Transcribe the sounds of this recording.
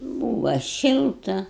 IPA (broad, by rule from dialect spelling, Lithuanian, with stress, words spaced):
ˈbuːʋɐ ˈʃʲɪlˠtɐ